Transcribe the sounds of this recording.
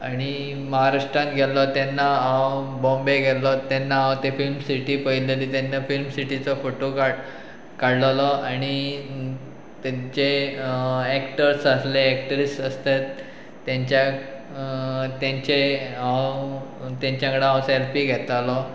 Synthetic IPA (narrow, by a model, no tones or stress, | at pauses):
aɽ̃i | məɦaɾaʂʈɾãnt̪ɡʱɛt̪lɔt̪ɛnːaãwbɔ̃mbeɡʱɛt̪lɔt̪ɛnːaɦãwt̪efilmsiʈipəileliːt̪anːafilmsiʈit͡sɔfoʈoka | kaɽlalɔaɽ̃i | t̪at͡ɕe | ɛkʈəɾsasleːk̚ʈəɾisʈsəst̪et̪ː | jãɲt͡ɕja | t̪jãɲt͡ɕeãw | t̪ãɲt͡ɕjãkəɽeɦãwselpiɡʱɛt̪alɔ